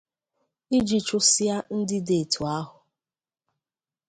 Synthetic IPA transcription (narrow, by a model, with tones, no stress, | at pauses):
i˦d͡ʒi˨t͡ʃʊ˦si˦a˦n̩˦dɪ˦de˨tʰu˨a˦ɦʊ˨